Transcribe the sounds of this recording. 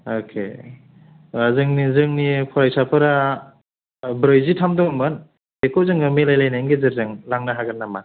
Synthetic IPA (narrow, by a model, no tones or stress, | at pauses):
okʰḛ | azɯŋnizɯŋnipʰɔɾajsapʰɯɾa | bɾɯjzitʰamdɔŋmɯn | hekowzɯŋɯmelajlajnajŋɡezɯɾzaŋlaŋnaɦaɡɯnːama